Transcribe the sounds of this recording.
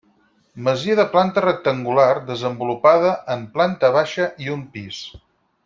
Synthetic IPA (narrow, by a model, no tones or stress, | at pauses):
məziəðəplant̪ərək̚t̪əŋɡulard̪əzəmbulupaðəʔəmplant̪əβ̞aʃəʔiumpis